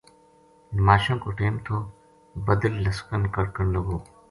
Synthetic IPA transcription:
maːʃõːkoːʈeːmt̪ʰoː | bɐd̪əlːɐskənkɐɽkəɳlɐɡoː

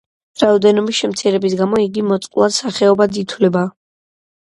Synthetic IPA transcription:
ɾaɔd̪ɛnɔbisʃɛmt̪sʰiɾɛbisɡamɔiɡimɔt̪sʼqʼwlˠad̪saχɛɔbad̪it̪ʰwlɛba

